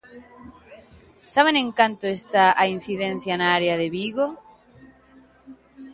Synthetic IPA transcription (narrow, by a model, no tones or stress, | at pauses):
saβ̞enẽŋkant̪oest̪aʔain̟θiðẽn̟θjanaaɾeaðeβiɣo